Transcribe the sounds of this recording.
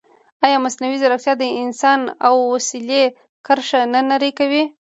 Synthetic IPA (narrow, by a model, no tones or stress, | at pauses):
ɑjɑmasnawizaɾakt̪jɑd̪əɪnsɑnawːasile | kaɾʂananaɾekawi